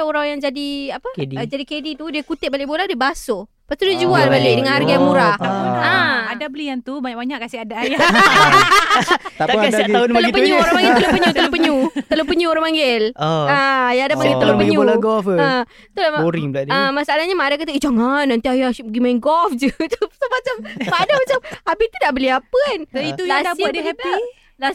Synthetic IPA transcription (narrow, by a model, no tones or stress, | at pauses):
uɾaŋjaŋd͡ʒadiapəkedid͡ʒadikedit̪udiəkut̪ɪt̪̚balɪʔbolahdiəbaso | past̪udiəd͡ʒualbaleʔdəŋanarɡajaŋmuɾahəadabəliant̪ubaɲaʔbaɲaʔkasɪhadaːja | t̪adaaʊnaəloipəɲuoɾãpaŋɡɪlt̪əlopəɲut̪əlopəɲut̪ələpəɲuoɾãŋmpaŋɡɪləajaadapaŋɡɪlt̪alpəɡiɲuolaɡɔfə | t̪ulaboɾiŋbəladəmasaalahɲamaadakat̪aid͡ʒaŋanːant̪iajaəɡimainɡɔfd͡ʒət̪usomat͡ʃammadamat͡ʃamabit̪idaʔbəliapəanit̪uasdabuadiɦɛpi | la